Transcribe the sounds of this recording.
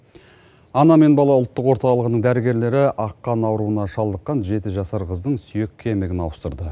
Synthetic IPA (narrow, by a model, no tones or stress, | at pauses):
ɑnɑme̞nbɑlˠɑʊlˠt̪ːəqwo̞ɾt̪ɑlˠəʁənəɴd̪æɾɪɡʲe̞ɾle̞ɾɪʔɑqːɑnɑwɾuənɑʃɑlˠd̪əqːɑnʒe̞t̪ɪʒɑsɑɾqəzd̪əɴsʏje̞kʲʰːe̞mɪɡʲɪnɑwəst̪əɾd̪ə